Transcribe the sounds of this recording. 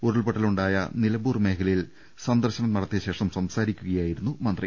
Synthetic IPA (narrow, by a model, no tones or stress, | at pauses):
uɾuɭpɐʈːɐluɳɖaːjɐ̰nilɐbuːrme̞ːkʰɐlil | sɐnd̪ɐrɕɐnɐmnɐɽɐt̪ːeɕe̞ːʂɐmsɐmsaːɾikʲːuɣɐjaːjiɾunːumɐnd̪rɐ